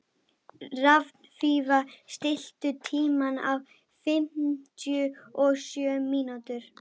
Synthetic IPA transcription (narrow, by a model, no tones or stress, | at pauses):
ravnfiːvast̪ɪl̥t̪ʏt̪ʰiːmana̰v | fɪm̥t̪jʏɔsjœːmiːnat̪ʏɾ̥